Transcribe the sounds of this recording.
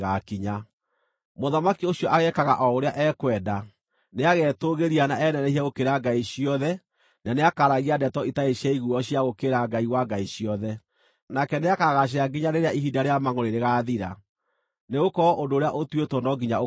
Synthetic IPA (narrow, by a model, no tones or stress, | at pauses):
ɣakiɲa | moðamakioɕjɔʔaɣɛkaɣaʔɔoɾeaʔɛkwɛda | neaɣɛtoɣeɾianaʔɛnɛnɛhiaɣokeɾaɡaiɕiɔðɛ | naneakaɾaɣiadɛtɔitaeɕaiɣuɔɕiaɣokeɾaɡaiwaɡaiɕiɔðɛ | nakɛneakaɣaʃ̬eaɡiɲaneɾeaʔiɦidaɾeamaŋoɾeɾeɣaːðiɾa̰ | neɣokɔʔondoːɾeaʔotwetɔnɔɡiɲa